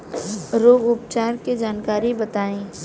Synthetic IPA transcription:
ɾoːɡʊpt͡ʃaːɾked͡ʒaːnkaːɾibət̪aːẽː

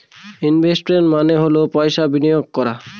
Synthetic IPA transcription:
inbʱesʈmenmaneɦolopɔjʃabinijoɡ̚kɔɾa

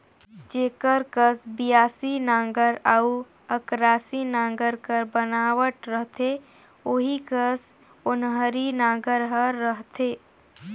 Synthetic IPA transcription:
d͡ʒeːkəɾkəsbijaːsinãːŋɡəɾau | əkɾaːsinãːŋɡəɾkəɾbənaːʋəʈɾəɦt̪e | oːɦikəs | ʊnɦəɾinãːɡəɾɦəɾːəɦt̪eː

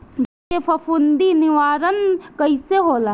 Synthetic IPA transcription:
d͡ʒ | kepʰɐpʰund̪inɪʋaːɾənkəiseɦoːla

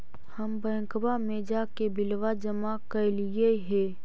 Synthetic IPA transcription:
həmbəə̃ŋkbamẽd͡ʒaːkebɪlʋad͡ʒəmakəlieɦeː

